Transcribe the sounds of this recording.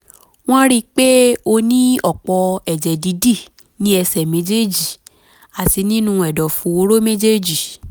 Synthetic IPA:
w̃ɔ̃˦ɾi˦k͡pe˦o˧nĩ˦ɔ˦˨k͡pɔ˧ɛ˨d͡ʒɛ˨di˨˦di˦˨ | nĩ˦ɛ˧sɛ˨mẽ˨˦d͡ʒe˦d͡ʒi˨ | a˨ti˧nĩ˦nũ˦˧ɛ˨dɔ˨fũ˨˧˦o˧˦ɾo˦mẽ˦d͡ʒe˦d͡ʒi˨

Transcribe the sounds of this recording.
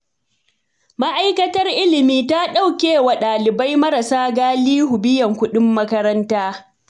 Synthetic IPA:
ma˦ʔa˦jkɐ˦tɐ˦rʔɪ˦lɪ˨miː˦ta˦ɗa˦˨wkʲeː˨wa˨ɗaː˨lɪ˨ba˦jmɐ˦ɾɐ˨saː˦ɡaː˦liː˦hʊ˨bɪ˦jɐ˨ŋkʷʊ˦ɗɪ˦mːɐ˦kɐ˦ɾɐ˦ntaː˦

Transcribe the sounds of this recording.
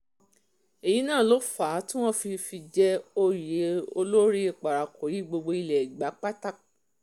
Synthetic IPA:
e˨ji˨˦nãː˦˨lo˦faː˨˦tĩ˦w̃ɔ̃˦fi˧fi˧d͡ʒɛ˦o˧je˨˦o̰˧lo˦ɾi˦e˧˨k͡pa˨ɾa˨ko˨ji˨˦ɡ͡bo˧ɡ͡bo˧i˧lɛ˨i˨ɡ͡ba˨˦k͡pa˦ta˦

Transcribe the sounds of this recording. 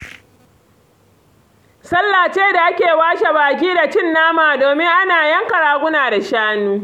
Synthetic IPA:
sɐ˦lːaː˨t͡ʃeː˦da˨ʔa˦kʲeː˨waː˦ʃa˨baː˨k̬ʲiː˦da˨t͡ʃɪ˦˨nːaː˦maː˨doː˨mɪ˦ŋʔa˦naː˨jɐ˦ŋkɐ˨ɽaː˨ɡʷʊ˦naː˨da˨ʃaː˦nuː˦

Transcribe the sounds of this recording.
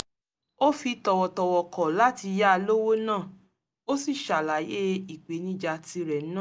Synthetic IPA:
o˦fi˧tɔ˧wɔ˨tɔ˧wɔ˨kɔ˨la˨˦ti˧ja˦˧lo˦wo˦nãː˦˨ | o˦si˦˨ʃa˨la˨˦je˦i˨k͡pe˨˦nĩ˦d͡ʒa˧ti˧ɾɛ˨˦nã˦˨

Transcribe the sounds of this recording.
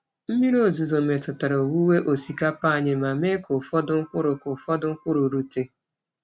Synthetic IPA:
m̩˦mi˦ɾo˦zu˨zo˨me˨tʊ˨ta˨ɾo˨wu˦we˦ʔo˨si˨ka˦pa˦˨ɲɪ˦ma˨me˦kʊ˨fɔ˦dʊ˦ŋ̩˦kʷʊ˦ɾʊ˨kʊ˨fɔ˦dʊ˦ŋ̩˦kʷʊ˦ɾu˨ɾu˨te˨

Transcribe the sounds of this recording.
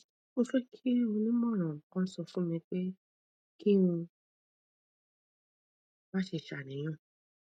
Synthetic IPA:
o˧fe˦kʰi˦ũ˧nĩ˦mɔ̃˦˨ɾ̃ɔ̃˨kɔ̃˦sɔ˧fũ˦mĩ˧k͡pe˦ | ki˦wũ˧ | ba˦ʃe˧˨ʃa˨nĩ˨j̃ɔ̃˦˨

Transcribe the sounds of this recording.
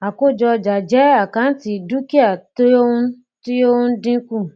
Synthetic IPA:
a˨ko˦˨d͡ʒɔ˧d͡ʒa˨d͡ʒɛ˨˦a˦˨kã˨˦ti˧du˦ki˦a˦˨to˦o˦ũ˧ | ti˦o˦ũ˧˦dĩ˦kũ˦˨

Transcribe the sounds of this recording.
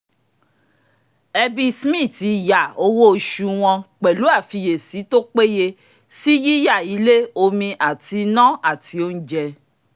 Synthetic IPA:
ɛ˧bi˧smĩ˦˨ti˨˧˨ja˨o˧wo˦o˦˨ʃu˧w̃ɔ̃˧k͡pɛ˨lu˨˦a˦˨fi˧je˨si˨˦to˦k͡pe˦je˧ | si˦d͡ʒi˦ja˦˨i˨˦le˦o˧mĩ˧ʔa˨ti˧nã˦a˦˨ti˧˦o˦n̩˦d͡ʒɛ˧

